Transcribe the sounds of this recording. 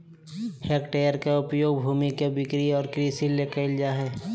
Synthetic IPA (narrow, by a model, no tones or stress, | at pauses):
heːkʈejəɾkeʊpjoːɡbʱuːmikebɪkɾiɔːɾkɾisilekəɪld͡ʒaɦɛː